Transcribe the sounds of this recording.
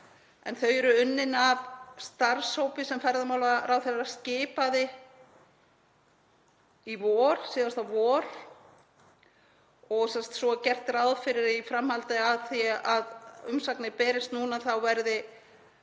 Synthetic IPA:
ɛ̰nθœjɾʏʏnːɪnavst̪aɾ̥showpɪsɛmfɛjɾðamaːwlarawθeɾascɪːpaðɪ | ivɔːɾ̥siːðast̪avɔːɾ̥ | ɔɣsɛmst̪sɔcɛr̥t̪rawðfɪɾɪɾifɾamhalt̪ɪaðθiaðʏmsaknɪpɛːɾɪst̪nuːnaθawvɛɾðɪ

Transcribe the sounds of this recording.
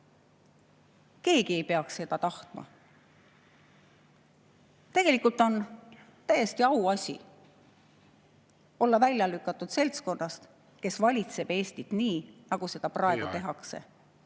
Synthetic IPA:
ke̞ːɡ̥ie̞jpe̞ɑksse̞d̪̥ɑt̪ɑht̪mɑ̰ | t̪e̞ɡ̥e̞likult̪ˑo̞n | t̪æje̞st̪iɑuɑsʲḭ | o̞lːɑvælʲjɑlykːˑɑt̪ːˑud̪̥se̞lt̪sko̞nːɑst̪ | ke̞svɑlʲit̪se̞b̥e̞ːsʲt̪it̪niːnɑɡ̥use̞d̪̥ɑprɑe̞ɡ̥ut̪e̞ɦɑkse̞̰

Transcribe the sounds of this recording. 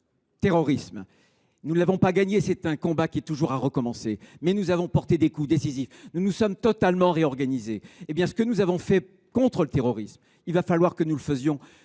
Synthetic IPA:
t̪eʁɔʁism | nunlavɔ̃paɡaɲesɛt̪ɛ̃kɔ̃bakʲiɛt̪uʒuʁaʁəkɔmɑ̃semɛnuzavɔ̃pɔʁt̪ed̪ekud̪esizifnunusɔmt̪ɔt̪almɑ̃ʁeɔʁɡanizeebjɛ̃sə̥kənuzavɔ̃fɛ | kɔ̃t̪χələt̪eʁɔʁism | ilvafalwaʁkənuləfəzjɔ̃

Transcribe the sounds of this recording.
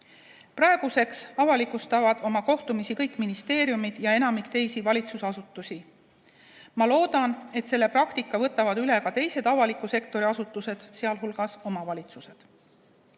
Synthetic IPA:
prɑeɡ̥use̞ksɑvɑlikˑust̪ɑvɑd̪̥o̞mɑko̞ht̪umisikɤjkːˑminist̪e̞ːɾjumid̪̥jɑe̞nɑmikt̪e̞jsivɑlʲit̪susɑsut̪ːˑusʲi | mɑlo̞ːd̪̥ɑne̞t̪se̞lːe̞prɑkt̪ikːˑɑvɤt̪ːˑɑvɑd̪yle̞kɑt̪e̞jse̞d̪ɑvɑlikːˑuse̞kt̪o̞ɾiɑsut̪ːˑuse̞d̪̥seɑlɦulɡ̥ɑso̞mɑvɑlʲit̪suse̞d̪̥

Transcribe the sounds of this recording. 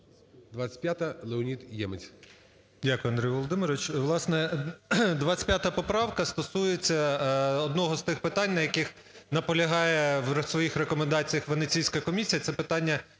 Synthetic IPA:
d̪ʋat͡sʲɐ̥pʲjat̪ɐlˠeɔnʲit̪jɛmɪt͡sʲ | dʲakʊjʊɐnd̪ɾʲɛjʋɔlˠɔd̪ɪmɪɾʋɪt͡ʃʋlˠɑsnɛ | d̪ʋasʲɐ̥pʲjat̪ɐpɔpɾɑwkɐst̪ɔsujet͡sʲːɐɔd̪nɔɦɔst̪ɪxpɪt̪ɑnʲnɐjɐkɪx | nɐpɔlʲɐɦɑjɛwsʋɔjixrekɔmend̪ɑt͡sʲijɐxʋenet͡sʲijsʲkɐkɔmʲisʲijɐt̪sɛpɪt̪ɑnʲːɐ

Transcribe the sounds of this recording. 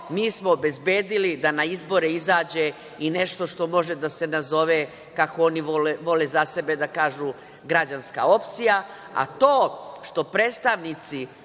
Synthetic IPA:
miːsmoːbe̞zbeːd̪ilid̪anaizbo̞ɾeizaːd͡ʑe̞ | ine̞ʃt̪o̞ʃt̪o̞mo̞ʒed̪ase̞nazo̞ʋe | kakooniʋoeʋo̞lezase̞be̞d̪akaːʒuː | ɡɾad͡ʑanska̰o̞pt̪sija | a̰t̪o̞ːʃt̪o̞pɾeːt̪st̪aʋnit̪si

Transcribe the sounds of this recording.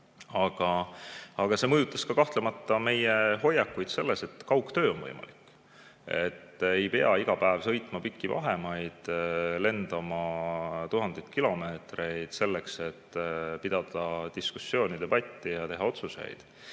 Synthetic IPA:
ɑɡ̥ɑɑɡ̥ɑse̞mɤjut̪ːˑɑskɑkɑht̪lemɑt̪ːˑɑme̞jeɦo̞jːɑkːujd̪se̞lːese̞t̪kɑwkːt̪ø̞ːonvɤ̰jmɑ̰likː | e̞t̪ːe̞jpeɑ̰iɡ̥ɑpæevsɤ̞jt̪ˑmɑpikːivɑ̰ɦe̞mɑjd̪̥le̞nd̪ɑmɑt̪uɦɑnd̥̪ejt̪̚kilo̞me̞ːt̪re̞jd̪̥se̞lːekse̞t̪ːpid̪̥ɑd̪̥ɑt̪iskusːjo̞ːnid̪e̞bɑt̪ʲːijɑt̪e̞ɦɑo̞t̪suse̞̰jd̪̥

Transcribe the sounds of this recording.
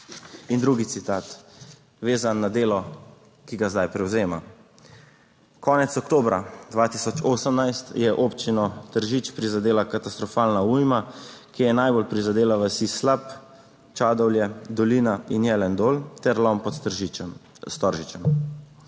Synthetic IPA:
ind̪ɾuɡit̪sit̪aːt̪ | ʋeːzanːad̪eːlɔ | kiɡazd̪ajpɾɛwzeːma̰ | kɔːnɛt̪sɔkt̪oːbɾa̰d̪ʋat̪isɔt͡ʃoːsəmnajst̪jɛʔoːpt͡ʃinɔt̪əɾʒit͡ʃpɾizad̪eːlakat̪ast̪ɾɔfaːlnaujmakijɛnajbolpɾizad̪eːlaʋəsislap | t͡ʃaːd̪ɔwljɛd̪ɔliːnainjɛlɛnd̪oːlt̪ɛɾlɔmpɔt̪ | st̪ɔɾʒit͡ʃɛm

